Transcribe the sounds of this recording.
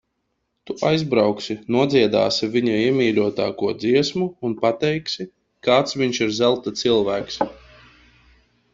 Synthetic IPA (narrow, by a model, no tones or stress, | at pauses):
t̪uʔajzbɾawksʲinuɔd̪ziɛd̪a̰ːsivʲiɲaiɛmʲiːlʲuɔt̪a̰ːkuɔd̪ziɛsmuːnpat̪ɛjksʲi | kaːt̪svʲiɲʃiɾzælˠt̪at̪sɨlˠvæːks